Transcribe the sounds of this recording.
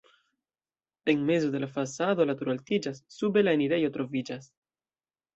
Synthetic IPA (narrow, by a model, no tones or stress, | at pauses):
e̞nme̞zo̞de̞lafasado̞lat̪uɾaltid͡ʒasːube̞laeniɾe̞jo̞t̪ɾo̞vid͡ʒas